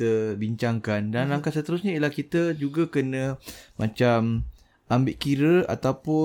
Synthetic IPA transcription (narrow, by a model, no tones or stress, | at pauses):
əbiɲt͡ʃaŋkandanaŋkat̪sət̪əɾusɲaiəlahkit̪əd͡ʒuɡəkənə̃mʔat͡ʃam | ʔambɪʔkiɾəa̰t̪awpʊ